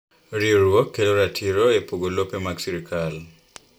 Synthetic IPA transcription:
ɾioɾwɔkːeloɾatʰiɾoepoɡolopemaɡsiɾikʰal

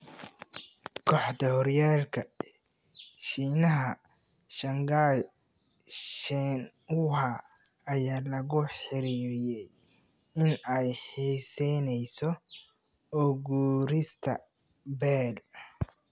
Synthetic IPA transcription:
kʰɔħd̪ɐhɔrjaːlkʰɐ | ʃiːnɐɦɐ | ʃɐŋɡaj | ʃɛn | ʊɦɐ | ɐjaːlɐɣʊħɪɾiːɾɪjɛj | ɪnɛjħiːsɛnɛjsɔ | ɔɣuːɾɪst̪ʰɐ̰ | bɛːl

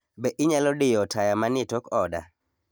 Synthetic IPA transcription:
bɛʔɪɲalɔdɪjɔtʰajamanɪtɔkɔda̰

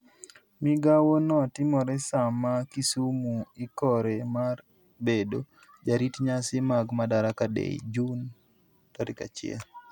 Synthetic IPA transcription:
miɡawonɔtɪmɔɾɛsamakisumuɪkɔɾemar | bedo | d͡ʒaɾitɲasɪmaɡmadaɾakadḛd͡ʒun | tɔɾɪka̰t͡ʃɪɛ̰l

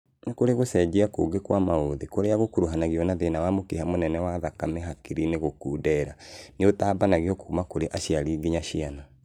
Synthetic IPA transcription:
nakoɾeɣosɛd͡ʒeakoɡekwamaoðekoɾeaɣokuɾoɦanaɣiɔnaðenawamokehamonɛnɛwaðakamɛɦakiɾineɣokuːdɛɾaneotaːbanaɣiɔkumakoɾeʔaʃiaɾiɡiɲaʃiana

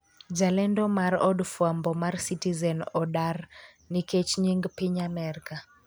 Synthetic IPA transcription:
d͡ʒalɛndɔmarɔdfwambɔmarsitizɛnɔdar | niket͡ʃɲiŋɡpiɲamɛɾka

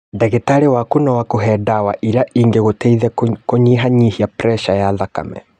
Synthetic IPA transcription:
dɛɣetaɾewakunawakoɦɛːdawaʔiɾaʔiːŋɡeɣotɛiðɛkoɲiɦaɲihiapɾɛʃajaðaka̰mɛ̰

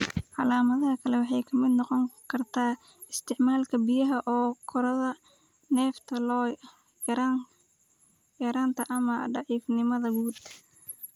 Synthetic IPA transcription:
ʕɑlaːmɐðɐɦɐkʰɐlɛwɑħɑjkʰɐmɪd̪nɔqɔŋkʰɐrt̪ʰaː | ɪst̪ʰɪʕmaːlkʰɐbijɐɦɐʔɔːkʰɔɾɐðɐ | nɛːft̪ʰɐlɔ | jɐa | jɐɾaːnt̪ʰɐʔɐmɐɖɑʕiːfnɪmɐðɐɡuːd̪

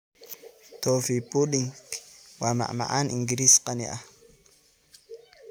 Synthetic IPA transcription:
t̪ofipuɗiŋkwama̰ʔma̰ʔaniŋɡiɾisqanḭʔa

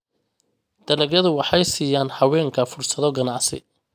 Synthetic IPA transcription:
d̪̥ɐlɛɣjɐðʊwɑħɑjsiːjaːnhɑwɛːŋkʰɐfʊrsɐðɔɡɐnɑʕsɪ̰

